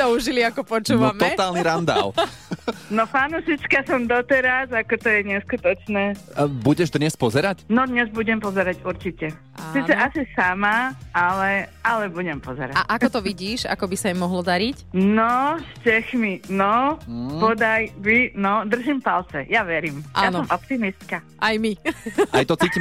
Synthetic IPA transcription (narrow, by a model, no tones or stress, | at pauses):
t̪ɔuʒiliakɔpɔt͡ʃuːʋmɛɔt̪aːlniɾand̪a̰l | nɔfanuʃit͡ʃkasɔmd̪ɔt̪ɛɾazakɔt̪ɔjɛɲɛskut̪ɔt͡ʃnɛːbuɟɛʒd̪ɲɛspɔzɛɾacnɔd̪ɲɛzbuɟɛmpɔzɛɾaɟuɾt͡ʃicɛ | asiːt͡sɛʔasisamaalɛalɛbuɟɛmpɔzɛ̰ɾaʔakɔt̪ɔʋiɟiːʃa̰kɔbisaimːɔɦlɔd̪aɾicnɔʃcɛxminɔpɔd̪ajʋinɔd̪r̩ʒimpalt͡sɛ̰jaʋɛɾimʔaansɔmɔpt̪imist̪ka | ʔajmiajt̪ɔt͡siːci